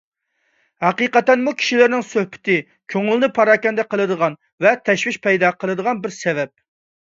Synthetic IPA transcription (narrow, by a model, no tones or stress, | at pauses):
hæqiqɛt̪ɛnmukʲʰi̥ʃilɪɾnɪŋsøhbɪ̥t̪ʰɪ | kʲʰøŋylnɪpʰɑɾɑːkʲɛnd̪ɛqʰəlˠɨd̪əʁɑn | vɛt̪ʰɛʃwɪʃpʰɛjd̪ɑqʰəlˠɨd̪əʁɑnbɪɾsɛvɛp̚